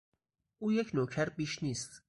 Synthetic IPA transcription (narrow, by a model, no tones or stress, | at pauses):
ʔuːjekʰnoːkʰæɾbiʃniːst̪